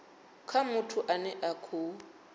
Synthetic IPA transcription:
kʰamʊtʰʊʔanɛʔakʰʊ

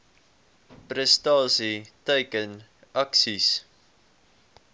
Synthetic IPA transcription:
pɾɛstɑːsiteɪkən | ʔaksis

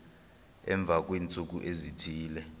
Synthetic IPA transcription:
ɛ̰ɱb̪vʱak̬ʼwiːnt͡sʼuk̬uʔezitʰiːlɛ

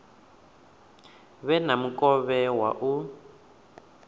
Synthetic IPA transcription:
βɛnamukʼɔβɛwa̰ʔu

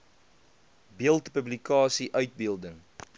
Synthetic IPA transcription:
biəlˠtpəblikɑːsiʔœɥt̚biəlˠdəŋ

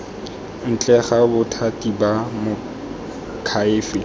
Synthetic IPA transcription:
n̩t͡ɬʼɛχabʊtʰatʼibamʊ | kʰaɪːfɪ

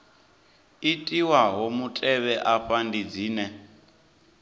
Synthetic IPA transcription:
itʼiwaɦomutʼɛβɛʔaɸandid͡ziːnɛ

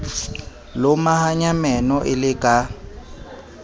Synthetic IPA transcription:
lomahaɲamɛnɔʔɪlɪkʼa

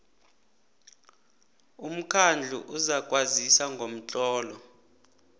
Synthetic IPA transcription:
um̩kʰand͡ɮʱṵʔuzakʼwazisaŋɡʱom̩t͡ɬʼɔːlɔ

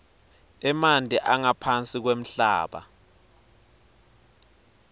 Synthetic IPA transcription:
ɛmandʱiʔaŋapʰant͡sʼik̬wem̩ɬa̰ːɓa̰

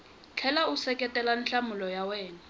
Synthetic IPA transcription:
t͡ɬʰɛlausɛkʼɛtʼɛlanɬamʊlɔjawɛːna

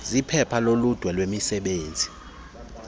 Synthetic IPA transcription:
zipʰɛpʰalolud̥ʱwɛlwemisɛɓeːnd͡zʱi

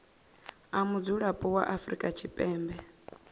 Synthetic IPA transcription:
amud͡zuɺapʼuwa̰ʔafɾikʼat͡ʃʰipʼɛːmbɛ

